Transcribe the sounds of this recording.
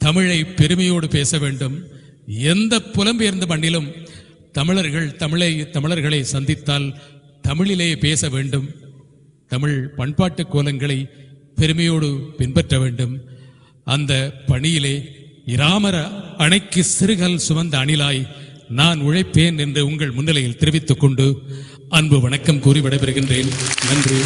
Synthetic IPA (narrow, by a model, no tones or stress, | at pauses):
t̪ɐmɪɻɐɪpːɛɾɯmɐjoːɽɯpeːsɐʋeːɳɖɯm | ɛnd̪ɐpːʊlɐmbejɐɾnd̪ɐpɐɳːɪlɯm | t̪ɐmɪɭɐɾɣɐɭt̪ɐmɪɭɐɪt̪ɐmɪɭɐɾɣɐɭɐɪsɐnd̪ɪt̪ːaːl | t̪ɐmɪɭɪleːpeːsɐʋeːɳɖɯm | t̪ɐmɪɻpɐɳpaːʈːɯkːoːlɐŋɡɐɭɐɪpɛɾɯmɐjoːɽɯpɪnpɛʈrɐʋeːɳɖɯm | ʔɐnd̪ɐpɐɳɪjɪleːɪɾaːmɐɾɐɐɳɐɪkːɯsɪɾɯɣɐlsʊʋɐnd̪ɐːɳɪlaːjnaːnʊɻɐɪpːeːnɛndrɯʊŋɡɐɭmʊnːɐlɐjɪlt̪ɪɾɯʋɪt̪ːɯkːɔɳɖɯ | ɐnbɯʋɐɳɐkːɐmkuːrɪʋɪɽɐɪpɐɾɯɣɪndreːnnɐndri